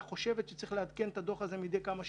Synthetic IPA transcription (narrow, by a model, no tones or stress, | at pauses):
χo̞ʃe̞vet̪ʃe̥t͡sʁiχlead̪kent̪ad̪o̞χazemid̪e̞jkamaʃ